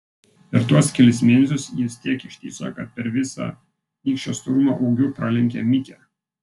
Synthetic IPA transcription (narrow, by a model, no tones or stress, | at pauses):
pʲɛɾt̪uɔskʲɛlʲɪsmʲeːnʲɛsʲʊsjɪst̪ʲiɛkɪʃʲt̪ʲḭːsɐ̰kɐt̪̚pʲɛɾʋʲɪsɑ̰ | iːkʃʲt͡ʃʲoːst̪ʊɾʊmɑʔɒʊɡʲʊːpɾɑːlʲɛŋʲkʲɛmʲɪkʲɛ